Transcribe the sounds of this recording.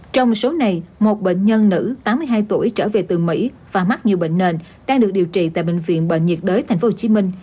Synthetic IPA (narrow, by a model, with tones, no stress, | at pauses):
t͡ɕɔ˧wŋ͡m̚so˨˦na˨˩jmo˨˩t̚ɓḛ˧˨ŋ̟ɲə˧nːɨ̰˧˥t̪aː˨˦mːɨ˧əjɦaː˧jt̪u˧˩əjt͡ɕəː˧˩ve˨˩t̪ɨ˨˩mḭ˧˥ | v̥aː˨˩ma˦˥t̚ɲi˨˩əwɓḛ˧˨ŋ̟ne˨˩n | ɗaː˧ŋɗɨ˨˩ək̚ɗi˨˩əwt͡ɕḭ˧˨t̪a̰ː˧˨jɓḛ˧˨ŋ̟vḭ˧˨ənɓə̰ː˧˨ŋ̟ɲi˨˩t̚ɗəː˨˦jt̪ʰŋ̟fo˨˦ho˧˨˩t͡ɕi˨˦mï˧ŋ̟